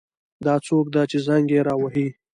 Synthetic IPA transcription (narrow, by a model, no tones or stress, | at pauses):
d̪ɑt͡sok̚d̪at͡ʃezaŋɡeɾɑwaɦi